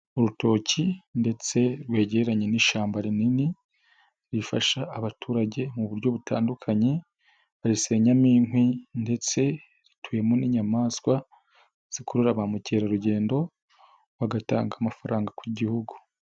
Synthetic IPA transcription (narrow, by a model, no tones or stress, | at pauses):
uɾuto̞ːcinde̞t͡se̞ɾwe̞ːɟeeɾaɲe̞niʃaːmbaɾinini | ɾifa̰ʃaːβatʰuːɾaɟe̞muβuɾɟo̞βuta̰ːndukʰaɲe̞ | aɾise̞ɲamiːŋhwinde̞t͡se̞ | ɾitʰuːje̞moniːɲamaːskwa | z̥ikuɾuɾaβamuce̞ːɾaɾuɟe̞ːndo̞ | βaɡata̰ːŋɡamafaɾaːŋɡakwiɟihuɡu̥